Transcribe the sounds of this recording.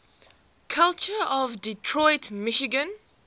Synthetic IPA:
kʰʌlˠt͡ʃəɔvditʰɹɔɪtmɪʃɪɡə̃n

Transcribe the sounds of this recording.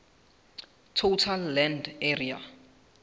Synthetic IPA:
tʰotʰalːɛndɛria̰

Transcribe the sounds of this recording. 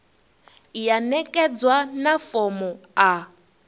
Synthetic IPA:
janɛkʼɛd͡zwanafɔmɔa

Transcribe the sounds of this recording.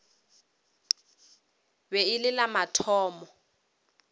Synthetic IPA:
bɛɪlɪlamatʰɔːmɔ

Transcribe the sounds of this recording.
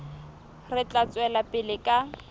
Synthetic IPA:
rɪt͡ɬʼat͡sʼwɛlapʼɪlɪkʼa

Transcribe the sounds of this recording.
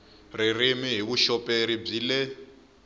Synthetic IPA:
ririmiɦiβuʃɔpʼeɾib͡ʐiːlɛ

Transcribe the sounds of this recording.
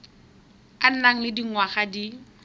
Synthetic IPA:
an̩naŋ̩lɪdiŋ̩waχadi

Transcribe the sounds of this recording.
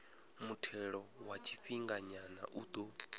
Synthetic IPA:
mutʰɛɺɔwat͡ʃʰi̥ɸiŋɡaɲana̰ʔud̪o

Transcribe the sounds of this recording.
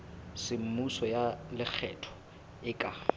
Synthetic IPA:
sɪm̩musɔjalɪk͡xʰɛtʰɔ̥ | ɪkʼa

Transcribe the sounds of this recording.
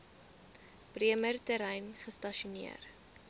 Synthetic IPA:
priəmərtəɾɛjnχəstɐʃunḭər

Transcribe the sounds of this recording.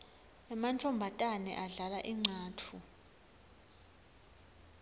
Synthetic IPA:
ɛmantʰɔmbʱatʼanɛ̰ʔaɮalaʔiŋ͡ǀʱaːtʰu

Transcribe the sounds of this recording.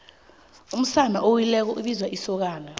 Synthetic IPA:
um̩sanaʔowilɛk̬ɔʔuɓizwaʔisɔk̬aːla

